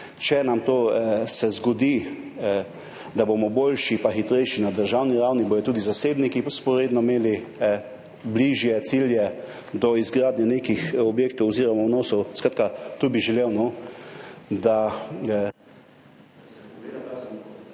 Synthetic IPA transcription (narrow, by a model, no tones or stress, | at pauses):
t͡ʃɛnamt̪oːsɛzɡɔd̪i | d̪abomɔbolʃipaxit̪ɾɛjʃinad̪əɾʒawniɾawnibojɔt̪uːd̪izaseːbnikispɔɾeːd̪nɔmeːli | bliʒjɛt̪siljɛ | d̪ɔizɡɾaːd̪nʲjaneːkixɔbjeːk̚t̪ɔwɔziːɾɔmawnoːsɔwskɾaːt̪kat̪uːbiʒɛlewno | d̪a